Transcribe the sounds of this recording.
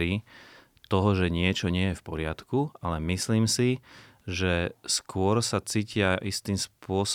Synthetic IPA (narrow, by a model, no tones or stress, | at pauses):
i | t̪ɔɦɔʒɛɲɪɛt͡ʃɔɲɪɛjɛfpɔɾɪat̪kualɛmisliːmsi | ʒɛskʊɔɾsat͡siːcɪaʔist̪iːmspʊɔs